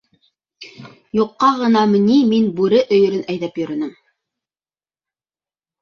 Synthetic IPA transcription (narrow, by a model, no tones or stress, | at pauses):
juqːɑʁɤ̆nɑmɘ̆niminbʉɾɘʔɵ̆jɵ̆ɾɘnæjðæpjɵ̆ɾɘ̆nɘm